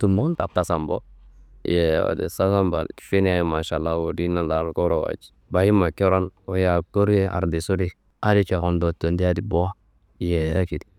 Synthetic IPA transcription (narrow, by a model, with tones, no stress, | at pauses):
tu˨mo˦nta˨p̚ta˨sa˨mbo̰˦jɛ˨wa̰˨dḛ˨sa˦sa˦mba̰˨lki̥˨fi˦n˦a˨jma˨ʃa˨la˦wo˨di˦na˦la˨lko˦ɾo˨wa̰˨d͡ʒi̥ | ba˨ji˦ma˨ki˦ɾo˦no˦ja˨ko˦ɾe˦a̰˨ɾdi˨su˦di˦ | a˦di˦t͡ʃa˨ko˨ndo˨to˨ndi˦a˦di˨bo˦a˦ | je˨ja˦ki˨di˨